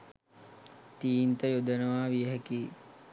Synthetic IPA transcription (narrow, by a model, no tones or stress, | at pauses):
t̪iːnt̪əjod̪ənəʋaːʋijəɦækiː